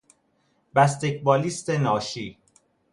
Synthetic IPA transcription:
bæst̪ecbɒːliːst̪enɒːʃiː

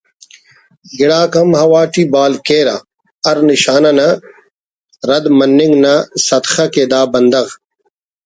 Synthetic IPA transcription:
ɡiɽaːkɐmhɐwaːʈibaːlkeːɾa̰ | ɐɾniɕaːnɐnɐ | ɾɐd̪mɐnːiŋɡnɐsɐt̪xɐkeːd̪aːbɐnd̪ɐɣ

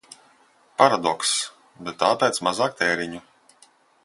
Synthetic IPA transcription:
paɾad̪ɔks | bɛt̪ːaːpʲɛjt̪smazaːk̚t̪ɛːɾiɲu

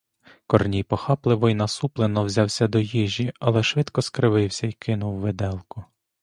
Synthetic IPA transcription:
kɔrnʲijpɔxɑplˠɪʋɔjnɐsuplˠenɔwzʲɑwsʲɐd̪ɔjiʒʲiɐlˠɛʃʋɪd̪kɔskɾɪʋɪwsʲɐikɪnʊwːed̪ɛlˠkʊ

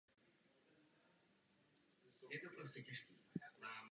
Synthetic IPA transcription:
jɛt̪opɾos̬cɛcɛʃkiːa

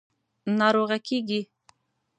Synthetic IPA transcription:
nɑɾoɣakeɡi

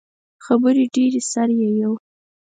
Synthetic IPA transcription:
xabəɾeɖeɾesaɾjejaw

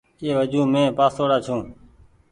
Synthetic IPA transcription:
eːʋəd͡ʒũːmẽːpaːsoːɽaːt͡ʃʰũː

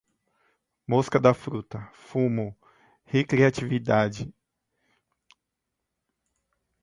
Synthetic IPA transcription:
moskɐd̪ɐfɾut̪ɐfũmʊ | hekɾiat͡ʃivid̪ad͡ʒɪ

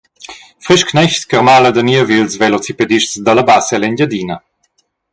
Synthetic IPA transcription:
fʁeʃknɛçskəʁmaləd̪əniəvilsvelɔt͡siped̪iʃtsd̪alabasɛlɛnɟad̪inə

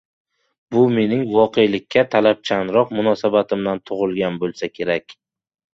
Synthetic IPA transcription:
bʊme̞nɪŋvɒqe̞jlɪkʲːat̪ʰalap̚t͡ʃʰanɾɒqmʊnɒsabat̪ʰɪmd̪ant̪ʰʊʁɨlˠɡʲanbolˠsakʲʰe̞ɾakʲ

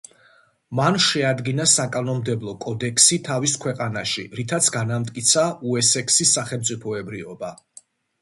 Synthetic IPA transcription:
manʃɛad̪ɡinasakʼanɔmd̪ɛblˠɔkʼɔd̪ɛksit̪ʰaviskʰwɛqʼanaʃiɾit̪ʰat̪sʰɡanamt̪ʼkʼit̪sʰauɛsɛkʰsisːaχɛlˠmt̪sʼipʰɔɛbɾiɔba

